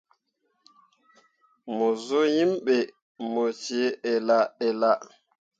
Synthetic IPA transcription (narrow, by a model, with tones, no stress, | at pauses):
mo˨zo˦ji˦mɓe˨ | mo˨t͡ʃi˨˦ɛ˨la˨ɛ˨la˦